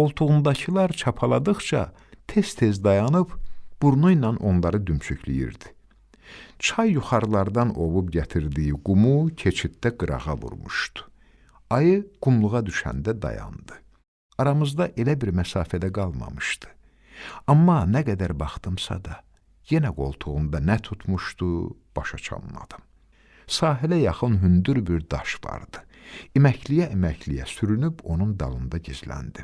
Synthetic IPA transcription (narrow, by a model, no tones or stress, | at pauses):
o̞lˠt̪ʰuʁund̪ɑcʰɯlˠɑɾt͡ʃʰɑpʰɑlˠɑd̪ɯχt͡ʃʰɑ̰ | t̪ʰe̞st̪ʰe̞zd̪ɑjɑnɯbb̥uɾnujnɑnʔo̞nlˠɑɾɯd̪ymt͡ʃʰyclḭjḭɾd̪i̥ | t͡ʃʰɑjːuχɑɾlˠɑɾd̪ɑno̞vupɟæt̪ʰiɾd̪ijiɡumucʰe̞t͡ʃʰit̪̚d̪æɡɯɾɑ̰ʁɑvṵɾmṵʃt̪u̥ | ɑjɯɡ̥umlˠuɣɑd̪yʃæ̰nd̪æd̪ɑ̰jɑ̰nd̪ɯ | ɑɾɑmɯzd̪ɑʔe̞læbiɾmæsɑːfæd̪æɡɑlˠmɑ̰mɯʃt̪ɯ̥ | ɑmːɑnæɡæd̪æɾbɑχt̪ɯmsɑ̰d̪ɑ | je̞næɡo̞̰lˠt̪ʰuʁund̪ɑnæt̪ʰut̪ʰmuʃt̪u | b̥ɑʃɑt͡ʃʰɑ̰nlˠɑ̰d̪̥ɯm | sɑːɦilæjɑχɯnɦynd̪yɾbiɾd̪ɑʃvɑ̰ɾd̪̥ɯ̥ | imæclijæʔimæcʰlijæsyɾynybʰo̞nund̪ɑlˠɯnd̪ɑɟizlæ̰nd̪i